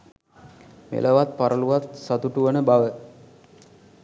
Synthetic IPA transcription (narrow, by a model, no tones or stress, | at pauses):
mḛlʔəʋat̪̚paɾəluʋat̪sat̪uʈuʋənəbaʋə